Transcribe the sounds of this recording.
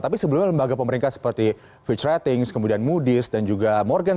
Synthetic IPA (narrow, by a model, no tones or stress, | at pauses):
t̪apisəbəlumɲaləmbaɡapəməɾiŋkasə̥pərt̪i | fit͡ʃrɛt̪ɪŋskəmudianmudɪsdand͡ʒuɡamɔrɡan